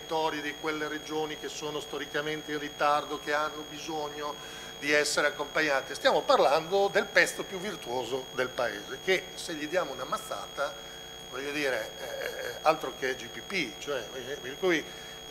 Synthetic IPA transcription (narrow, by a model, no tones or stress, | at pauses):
t̪ɔːɾjed̪ikwelːered͡ʒoːnikesːoːnost̪oɾikament̪einrit̪ard̪okeanːobizoɲːo | d̪iɛsːeɾeakːompaɲːaːt̪ist̪jaːmoparland̪od̪elpɛst̪opjuvːirt̪uoːzod̪elpaḛːzeke | seʎːid̪jaːmounamat̪ːa̰ːt̪a | vɔʎːod̪iːɾe | alt̪ɾoked͡ʒipipit͡ʃoɛperkuj